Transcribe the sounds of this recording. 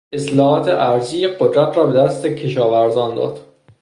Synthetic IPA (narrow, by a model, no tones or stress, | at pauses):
eslɒːhɒːt̪ʰeʔæɾziːjeɢod̪ɾæt̪ʰɾɒːbe̞d̪æst̪ecʰe̞ʃɒːvæɾzɒːnd̪ɒ̰ːd̪̥